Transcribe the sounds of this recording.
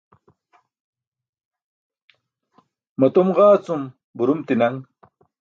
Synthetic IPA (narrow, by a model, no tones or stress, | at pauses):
mɐt̪umʁaːt͡sum | buɾumt̪inɐŋ